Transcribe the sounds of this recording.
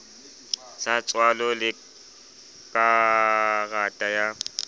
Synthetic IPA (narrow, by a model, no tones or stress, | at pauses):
sat͡sʼwalɔlɪ | kʼa | ɣatʼaja